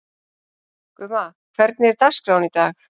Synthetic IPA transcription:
kʏmakʰv̥ɛɾt̪̚nɪɛɾt̪askɾawnit̪aːx

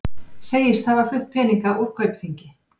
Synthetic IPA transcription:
seːjɪst̪θhavaɾflʏht̪̚pʰɛːniŋkaʔur̥kʰœɥpθiɲcɪ

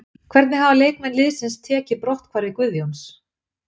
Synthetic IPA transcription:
kʰvɛɾt̪nɪɦavaleːjkmɛnlɪðsɪnst̪ʰɛːcɪpɾɔht̪kʰvaːɾɪkvʏðjowms

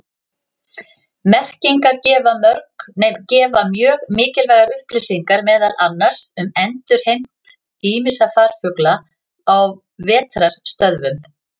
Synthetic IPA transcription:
mɛr̥ciŋkaɾcɛːvamœɾknɛjmcɛːvamjœːɣmɪːcɪlvaːjɣaɾʏhplɪsiŋkaɾmɛːðalʔanːaɾ̥sʏmɛnt̪ʏɾ̥hejm̥t̪ | iːmɪsafaːɾ̥fʏkla | aw | vɛːt̪ɾaɾ̥st̪œðvʏm

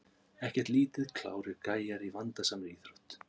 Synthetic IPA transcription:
ɛhcɛɾ̥t̪liːt̪ɪðkʰla̰ːwɾɪɾkaːjaɾivant̪asaːmɾɪɾiːθɾɔht̪

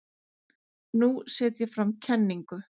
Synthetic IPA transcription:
nusɛːt̪jɛfɾamcʰɛnːiŋkʏ

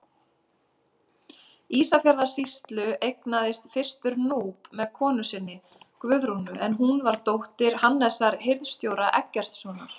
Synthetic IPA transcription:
iːsafjaɾðaɾ̥sist̪lʏʔejknaðɪst̪fɪr̥st̪ʏɾnuːpmɛðkʰɔːnʏsɪnːɪ | kvʏðɾunʏʔɛnɦunvaɾt̪owht̪ɪɾ̥hanːɛsaɾheɾðst̪jowɾaʔɛcːɛr̥t̪sɔːnaɾ̥

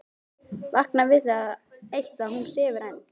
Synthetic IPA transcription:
vahknavɪðθaðejht̪aðhunːsɛːvʏɾajniŋ

